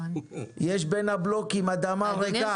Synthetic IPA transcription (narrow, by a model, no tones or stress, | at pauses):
jeʃbenhablokimad̪amaveka